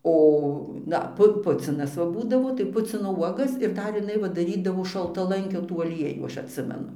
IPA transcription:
ˈoː ˈdɐ ˈpʊ ˈpʊt͡sʲɪnɐs ʋɐ ˈbuːdɐʋoː tɐɪ ˈpʊt͡sʲɪnoː ˈuɔɡɐs ɪr ˈdɐr jɪˈnɐɪ ʋɐ dɐˈrʲiːdɐʋoː ʃɐlˠtɐˈlˠɐŋʲkʲoː tuː ɐˈlʲiɛjuː ˈɐʃ ɐtʲˈsʲɪmʲɛnʊ

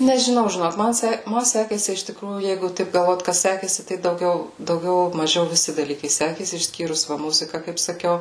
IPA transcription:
nʲɛʒʲɪˈnɐʊ ʒʲɪˈnoːk mɐn ˈsʲɛ ˈmɐ ˈsʲæːkʲeːsʲɪ ɪʃ tʲɪˈkruːjuː ˈjɛɪɡʊ ˈtɐɪp ɡɐlˠˈʋoːt ˈkɐs ˈsʲæːkʲeːsʲɪ tɐɪ dɐʊˈɡʲɛʊ dɐʊˈɡʲɛʊ mɐˈʒʲɛʊ ʋʲɪˈsʲɪ dɐˈlʲiːkɐɪ ˈsʲæːkʲeːsʲɪ ɪʃʲˈsʲkʲiːrʊs ˈʋɐ ˈmʊzʲɪkɐ kɐɪp sɐˈkʲɛʊ

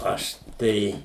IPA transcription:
ˈɐʃ ˈtɐɪ

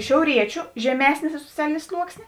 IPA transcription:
ʃʲɛʊˈrʲiɛt͡ʃʲʊ ʒʲɛˈmʲæːsʲnʲeː soːˈt͡sʲæːlʲɪnʲeː ˈslˠuɔksʲnʲeː

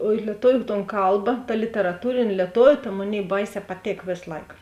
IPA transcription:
oː ɪ lʲiɛˈtoːʋʲʊ toːn ˈkɐlˠbɐ tɐ lʲɪtʲɛrɐˈtuːrʲeːnʲ lʲiɛˈtoːʋʲʊ tɐ ˈmoːˌnʲeːɪ ˈbɐɪˌsʲɛː pɐˈtʲeːk ˈʋʲeːs ˈlˠɐɪk

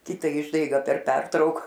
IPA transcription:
ˈkʲɪtɐ ˈɪʒdɐɪɡɐ pʲɛr ˈpʲɛrtrɐʊk

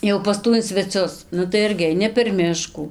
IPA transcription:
jɛʊ pɐs ˈtuː ɪn sʲʋʲɛˈt͡sʲʊs ˈnʊ tɐɪ ˈɪrʲɡʲɪ ɐɪˈnʲɪ pʲɛr ˈmʲɪʃkuː

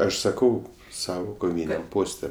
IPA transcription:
ˈɐʃ sɐˈkɐʊ ˈsɑːʋoː koːˈʋʲiːnʲɛm ˈpoːsʲtʲɛ

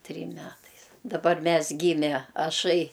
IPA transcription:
ˈtʲrʲiːm ˈmʲæːtɐɪs dɐˈbɐr ˈmʲɛs ˈɡʲiːmʲɛ ɐˈʃɐɪ

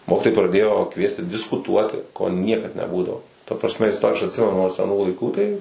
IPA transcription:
ˈmoːkʲɪtoːjɛɪ prɐˈdʲeːjoː ˈkʋʲiɛsʲtʲɪ dʲɪskʊˈtuɔtʲɪ koː ˈnʲiɛkɐt nʲɛˈbuːdɐʋoː tɐ prɐsʲˈmʲɛ ɪsˈtoː ɐʃ ɐtʲˈsʲɪmʲɛnʊ nuɔ sʲɛˈnuː lˠɐɪˈkuː tɐɪ

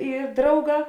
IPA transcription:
ɪ ˈdrɐʊˌɡɑː

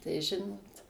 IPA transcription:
tɐɪ ˈʒʲɪnoːt

